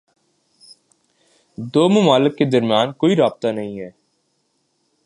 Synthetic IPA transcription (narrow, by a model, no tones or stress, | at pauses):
d̪oːmʊmaːlɪkːed̪ɐɾmijaːnkoːiɾaːb̚t̪anɐɦĩɦɛː